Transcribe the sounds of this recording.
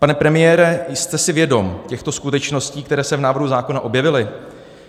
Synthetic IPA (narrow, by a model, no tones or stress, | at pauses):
panɛpɾɛmɪjɛːɾɛjst̪ɛsɪvjɛdo̞mcɛxt̪o̞skut̪ɛt͡ʃno̞sciːk̚t̪ɛɾɛːsɛvnaːvr̩ɦuzaːko̞naʔo̞bjɛvɪlɪ